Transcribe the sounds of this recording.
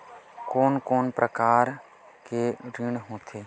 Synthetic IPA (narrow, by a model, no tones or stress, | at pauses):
koːnkoːnpɾʔəkaːɾ | keɾɪɽ̃ɦõːt̪ʰeː